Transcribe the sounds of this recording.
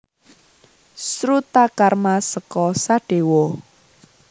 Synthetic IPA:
sɾut̪akarmasəkɔsaɖ̥e̤wɔ

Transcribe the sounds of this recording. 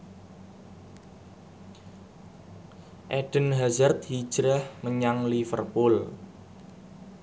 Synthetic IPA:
ʔɛɖ̥ənɦazərt̪̚hi̥ʒ̥ɾəhməɲaŋlifə̰rpʊl

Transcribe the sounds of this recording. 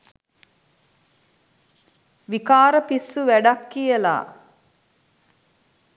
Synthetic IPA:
ʋikaːɾəpisːuʋæɖakːijəla̰ː

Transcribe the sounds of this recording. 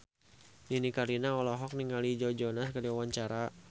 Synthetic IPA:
ninikaɾinaɔlɔɦɔk̚niŋalid͡ʒɔd͡ʒɔnaskadiwaɲt͡ʃaɾa

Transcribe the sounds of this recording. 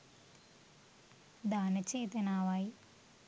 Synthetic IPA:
d̪aːnɐt͡ʃeːt̪ɐnaːʋaːji

